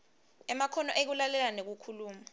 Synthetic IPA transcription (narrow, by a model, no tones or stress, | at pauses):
ɛmakʰɔnɔʔek̬ulalɛlanek̬ukʰuluːma